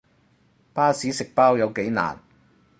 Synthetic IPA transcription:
paː˥siː˨˥sɪ˨k̚paː˥wjɐ˨˧wke˨˥jna̰ː˨˩n

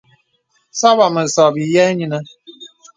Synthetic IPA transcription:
sa˦ba˨mə˨sɔ˨bi˨jɛ˦ɲi˦nə˦

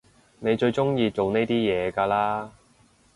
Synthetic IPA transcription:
ne˨˧jt͡ʃɵ˧ɥt͡ʃʊ˥ŋjiː˧t͡so˨wne˥jt̪iː˥jɛː˨˧kaː˧laː˥

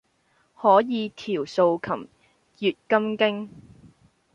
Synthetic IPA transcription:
hɔː˨˥jiː˨˧t̪ʰiː˨˩wso˧wkʰɐ˨˩m | jyː˨t̚kɐ˥mkɪ˥ŋ

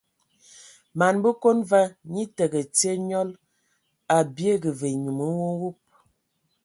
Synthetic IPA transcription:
ma˨nbə˦ko˦nva˦ɲi˦tə˨ɡə˨t͡si˦e˦ɲɔ˦l | a˨bje˦ɡə˨ve˨ɲu˨mə˨˦wo˦wu˦p̚

